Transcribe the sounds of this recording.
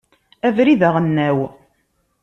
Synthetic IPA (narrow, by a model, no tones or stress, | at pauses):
ævɾiðəʁənːæw